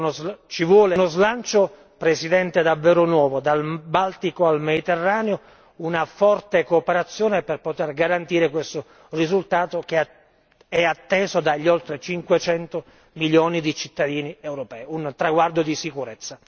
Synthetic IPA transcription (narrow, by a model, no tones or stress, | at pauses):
nozt͡ʃivwɔːlenozlant͡ʃo | pɾesid̪ɛnt̪ed̪avːɛːɾonwɔːvod̪albalt̪ikoalmed̪it̪erːaːneo | unafɔrt̪ekoːpeɾat̪sːjoːneperpot̪erɡaɾant̪iːɾekwest̪o | rizult̪aːt̪ok̟e | ɛat̪ːɛːzod̪aʎːolt̪ɾet͡ʃiŋkwet͡ʃɛnt̪o | miljoːnid̪it͡ʃit̪ːad̪iːniewɾopɛːiunt̪ɾaɡward̪od̪isikuɾet̪sːa